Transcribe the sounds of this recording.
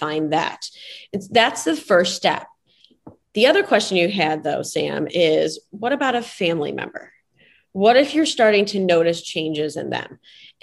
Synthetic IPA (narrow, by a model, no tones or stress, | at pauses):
fãɪ̃nðæ̰tɨtsðætsðɨfɜ˞ststɛ̰p̚ | ðiʌðə˞kʰw̥ɛst͡ʃɨ̃n̩jɨɨd̪̚ðoʊsæ̰̃mɪzwʌɾɨbaʊɾɨfæ̃mlḭmɛ̰̃mbə̰˞ | wʌɾɨfjə˞stɑɹɾɪ̃ŋtʰɨnoʊɾɨst͡ʃʰẽɪ̃nd͡ʒɪzɨ̰̃nðɨ̰̃m